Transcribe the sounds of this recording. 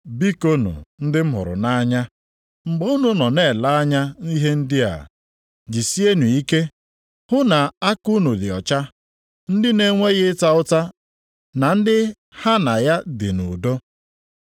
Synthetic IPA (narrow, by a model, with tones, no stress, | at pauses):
bi˦ko˦nṵ˨n̩˦dɪ˦m̩˦ɦʊ̰˨ɾʊ̰˨na˦ɲa˦ | ŋ͡m̩˨ɡ͡bo˦u˦nu˦nɔ˨ne˦˨la˦a˦ɲa˦ni˦ɦe˦n̩˦dɪ˦a̰˨ | d͡ʒi˨si˦e˦nu˨i˦ke˦ | hʊ˦na˨a˦ku˦nu˨dɪ˨ɔ˨t͡ʃa˦ | n̩˦dɪ˦ne˦ŋʷe˦ɣɪ˦ta˦ʊ˦ta˦ | na˨n̩˦dɪ˦ | ha˦na˨ja˦dɪ˨nu˨do˦